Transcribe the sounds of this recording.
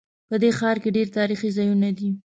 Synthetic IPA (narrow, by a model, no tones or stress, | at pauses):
pəd̪exɑɾkeɖeɾt̪ɑɾixizɑjunad̪i